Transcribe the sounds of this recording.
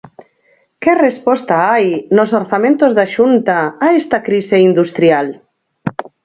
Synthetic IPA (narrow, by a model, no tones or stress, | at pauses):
kerespɔst̪aajnosoɾθamẽnt̪ozðaʃunt̪aːest̪akɾiseind̪ust̪ɾial